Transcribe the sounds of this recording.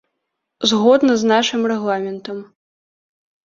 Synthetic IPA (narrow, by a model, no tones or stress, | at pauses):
zɣɔd̪nɐznaʂɨmrɛɣlˠamʲɛnt̪ɐm